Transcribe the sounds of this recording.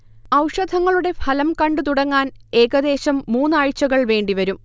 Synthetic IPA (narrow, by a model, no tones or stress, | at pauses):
ɐwʂɐd̪ʱɐŋːɐɭuɽe̞pʰɐlɐmkɐɳɖɨt̪uɽɐŋːaːne̞ːɣɐd̪e̞ːɕɐmːuːnːaːɻt͡ɕːɐɣɐɭʋe̞ːɳɖiʋɐɾum